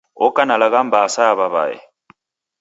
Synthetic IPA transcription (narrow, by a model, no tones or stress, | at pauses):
ɔkʼanalaɣam̩basajaβaβa̰ɛ̰